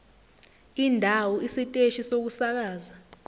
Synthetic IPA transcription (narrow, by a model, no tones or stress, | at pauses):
indʱawɔisitʼeʃisok̬usak̬aːza